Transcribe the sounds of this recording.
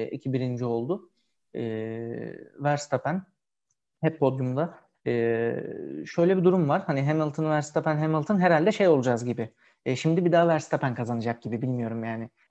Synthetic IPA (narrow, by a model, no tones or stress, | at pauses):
ḭcʰibiɾind͡ʒio̞lˠd̪ʊ | ɛː | væɾst̪ʰapæn | hɛpːo̞d̪jumd̪a | ɯː | ʃø̞jlʲɛbid̪uɾumvaɾhaniɦemilˠt̪ʰɯnvæɾst̪apænɦemilˠt̪ʰɯnɦeɾalʲd̪ɛʃe̞jolˠud͡ʒazɟibɪ | ʃimd̪ibid̪aːvæɾst̪ʰapʰænkʰazanɯd͡ʒak̚ɟ̥ibibilʲmijo̞ɾumjaːnɪ